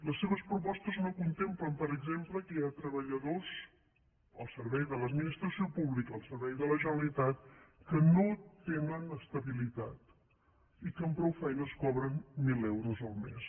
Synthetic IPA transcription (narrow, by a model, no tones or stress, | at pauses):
ləsːeβəspɾupɔst̪əznokunt̪empləmpəɾəɡzempləkəjat̪ɾəβəʎəðoz | əlˠsəɾβɛjðələd̪minist̪ɾəsiopuβlikəːlˠsəɾβɛjðələʒənəlit̪at̪kənot̪enənəst̪əβilit̪at̪ | ikəmpɾɔwfɛjnəskɔβɾənmilɛwɾuzəlˠmḛs